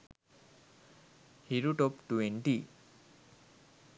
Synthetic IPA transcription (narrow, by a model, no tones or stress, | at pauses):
hiɾuʈɔpʈuweɳʈi